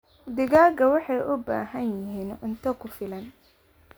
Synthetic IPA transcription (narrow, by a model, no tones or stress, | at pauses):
d̪ɪɣaːɡɐwɑħɑjʔʊba̰ːɦɐnjɪɦiːnʊnt̪ʰɐkʰʊfɪlɐn